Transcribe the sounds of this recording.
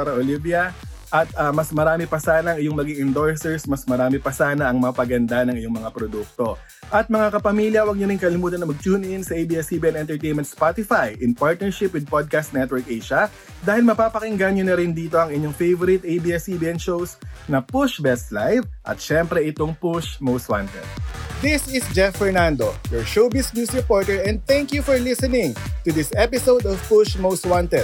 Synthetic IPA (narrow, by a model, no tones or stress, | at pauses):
ɾɐʔolibjɐ | ʔɐt̪̚ɐmɐsmɐɾaːmɪpɐsaːnɐɐŋʔɪjoŋmɐɡiŋɪnd̪oɹsɛɹsmɐsmɐɾaːmɪpɐsaːnɐʔɐŋmɐpɐɡɐnd̪anɐŋʔɪjoŋmɐŋapɾod̪uk̚t̪o̞ | ʔɐt̪̚mɐŋakɐpɐmiːljɐwɐɡ̚ɲoɾɪŋkɐlɪmuːt̪ɐnɐŋmɐɡ̚t͡ʃuːnʔɪnsɐʔejbiːɛsibiɛnɛnt̪ɛɹt̪ejnmɛnt̪spat̪ɪfajʔɪnpaɹt̪̚nɛɹʃɪpwɪd̪̚pod̪̚kast̪nɛt̪wɛɹkʔɛjʃɐ | d̪aːhɪlmɐpaːpɐkɪŋɡaɲonɐɾɪnd̪iːt̪o̞ɐŋɪɲoŋfejvɔɾɪt̪ejbiːɛsibiʔɛnʃowsnɐpʊʃbɛst̪lajvʔɐ̰t̪̚ʃɛmpɾɛʔɪt̪oŋpʊʃmowst̪wa̰nt̪ɛ̰d̪̚d̪ɪsɪsd͡ʒɛfːɛɹnand̪ojɔɹʃowbɪsnjusɹɪpoɹt̪ɛɹɛ̃nd̪̚θɛ̃ŋkjufɔɹlɪsɛnɪ̃ŋt̪ʊd̪ɪsɛpɪsowd̪ɔvpʊʃmowst̪wãnt̪ɛd̪